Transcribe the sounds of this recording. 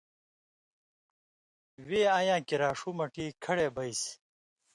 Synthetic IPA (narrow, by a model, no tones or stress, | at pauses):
weːãːjãːkiɾaːʂuːmɐʈiːkʰɐɽeːbɐis